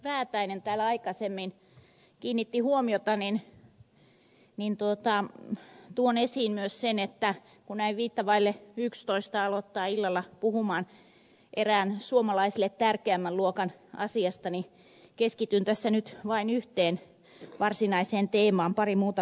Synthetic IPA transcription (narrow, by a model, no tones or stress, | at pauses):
ʋæːt̪æinent̪æːlɑikɑsemːin | kiːnːit̪ːihuomiot̪ɑnin | nint̪uot̪ɑ | t̪uonesiːnmyøssenet̪ːæ | kunnæiʋʋiːt̪ːɑʋɑilːeykst̪oist̪ɑɑlot̪ːɑːilːɑlːɑpuhumɑːn | ʔeræːnsuomɑlɑisilet̪tærkeæmːælluokɑnɑ̰siɑst̪ɑni | keskit̪ynt̪æsːænyt̪ʋɑinyht̪eːn | ʋɑrsinɑiseːnt̪eːmɑːmpɑrimuːt̪ɑ